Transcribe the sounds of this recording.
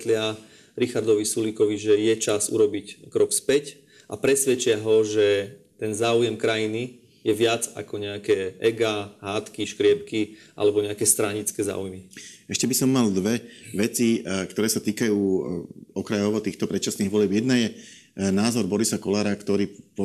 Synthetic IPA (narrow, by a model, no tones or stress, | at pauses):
t̪lɪa | ɾixaɾd̪ɔʋisulikɔʋiʒɛjɛt͡ʃazṵɾɔbickɾɔkspɛc | ʔapɾɛsʋɛt͡ʃɪaɦɔʒɛ | t̪ɛnzaːujɛmkɾajini | jɛʋɪad͡za̰kɔɲɛakɛːʔɛɡaɦaːt̪kiʃkɾɪɛp̚kiʔa̰lɛbɔɲɛakɛst̪ɾaɲit͡skɛːza̰ːujmiɛʃcɛbisɔmːald̪ʋɛʋɛt͡sikt̪ɔɾɛːsat̪iːkajuːɔkɾajɔʋɔt̪iːxt̪ɔpɾɛt̪̚t͡ʃasniːɣʋɔlɪɛbjɛd̪najɛ | naːzɔɾbɔɾisakɔlaːɾakt̪ɔɾiːpɔ